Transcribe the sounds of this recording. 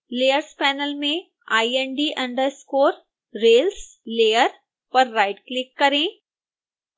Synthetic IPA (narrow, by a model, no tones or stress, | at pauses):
leːjəɾspɛːnəlmẽ | aːieɳɖiːʔɐ̃ɳɖəɾskoːɾ | ɾeːlsleːjəɾ | pɐɾːaːɪʈklɪkːɐɾẽ